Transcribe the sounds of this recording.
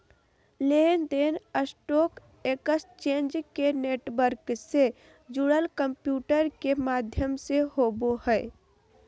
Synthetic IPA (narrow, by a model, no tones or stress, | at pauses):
lend̪eːnəsʈoːk | eːkəst͡ʃẽːnd͡ʒkeneːʈʋəɾkse | d͡ʒuɽəlkəmpjuːʈəɾkemaːd̪ʱjəmsehoːbohɛɪ